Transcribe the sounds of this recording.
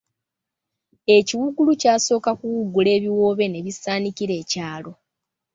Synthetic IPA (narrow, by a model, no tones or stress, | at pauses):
e̞ciwuɡulucaːso̞ːkakuwuɡule̞ːβiwo̞ːβe̞ne̞βisaːnikiɾe̞ːcaːlo̞